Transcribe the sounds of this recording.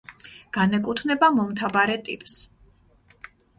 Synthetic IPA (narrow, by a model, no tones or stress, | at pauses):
ɡ̥anɛkʼut̪ʰnɛbamɔmt̪ʰabaɾɛt̪ʼḭpʼs